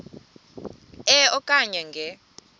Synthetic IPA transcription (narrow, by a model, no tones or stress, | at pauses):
ɛɔkʼaɲɛŋɡʱɛ